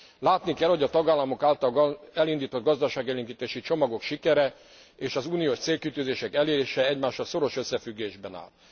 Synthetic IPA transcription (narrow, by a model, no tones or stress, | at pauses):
laːt̪nikɛlho̞ɟɒt̪ɒɡaːlːɒmo̞kaːlt̪ɒlɡɛlind̪iːt̪o̞d̪̚ɡɒzd̪ɒʃaːɡiɛliŋɡit̪eːʃit͡ʃo̞mɒɡo̞kʃikɛɾɛ | eːʃɒzuːnioːʃt̪seːlkit̪yzeːʃɛkɛleːɾeːʃɛɛɟmaːʃɒso̞ɾo̞ʃøsːɛfyɡːeːʒbɛna̰ːl